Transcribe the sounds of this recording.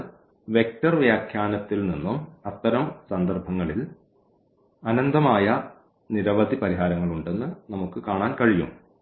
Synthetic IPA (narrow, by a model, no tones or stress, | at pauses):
ʋe̞k̚tɐrʋjaːkʰjaːnɐt̪ːilninːumɐt̪ːɐɾɐmsɐnd̪ɐrbʱɐŋːɐɭil | ɐnɐnd̪ɐmaːjɐ | niɾɐʋɐd̪ʱipɐɾiɦaːɾɐŋːɐɭuɳɖe̞nːɨnɐmukːɨkaːɳaːnkɐɻijṵm